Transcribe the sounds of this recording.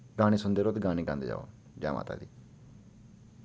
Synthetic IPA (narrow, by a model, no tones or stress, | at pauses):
ɡaːñiːsʊnd̪eːɾoːt̪ɡãːñĩːkãnd̪ḛd͡ʒa̰ːo̰ | d͡ʒa̰ːma̰ːt̪a̰ːd̪iː